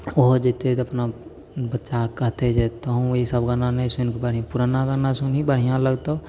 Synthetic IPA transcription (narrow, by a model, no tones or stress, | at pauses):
oɦd͡ʒɪt̪eɐpna | bətːʃakəɦt̪ed͡ʒet̪əɦũisəbɡananesʊnkbəɽ̤ĩpuɾanaɡanasʊnibəɽ̤ijãləɡt̪o